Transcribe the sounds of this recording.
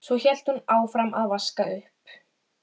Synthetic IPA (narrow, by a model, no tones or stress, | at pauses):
svɔçɛl̥t̪hunaːwfɾamʔaðvaskaʏhp